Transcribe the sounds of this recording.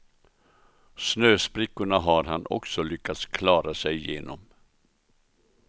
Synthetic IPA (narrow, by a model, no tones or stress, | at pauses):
snøːspɾɪkːʊɳaɦaɾɦanɔ̰ksɔlʏkːat̪skʰlɑːɾasɛjjeːnɔ̰m